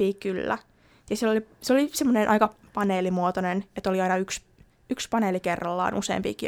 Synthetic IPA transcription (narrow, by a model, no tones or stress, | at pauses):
iːkylːæ̰ | jɑsilːoliseolisemːonenʔɑ̰ikɑpɑneːlimuot̪onenet̪oliɑinɑyks | ykspɑneːlikerːɑlːɑ̰ːnʔusḛːmpḭːki